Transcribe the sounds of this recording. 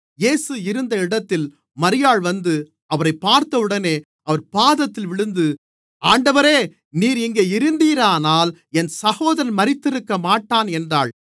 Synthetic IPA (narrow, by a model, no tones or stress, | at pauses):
jeːsɯɪɾɯnd̪ɐɪɽɐt̪ːɪl | mɐɾɪjaːɭʋɐnd̪ɯ | ɐʋɐɾɐɪpːaːɾt̪ɐʋɯɽɐneː | ɐʋɐɾpaːðɐt̪ːɪlʋɪɽɯnd̪ɯ | aːɳɖɐʋɐɾeː | niːɾɪŋɡeːɪɾɯnd̪iːɾaːnaːlɛnsɐhoːðɐɾɐnmɐɾɪt̪ːɪɾɯkːɐmaːʈːaːnɛndraːɭ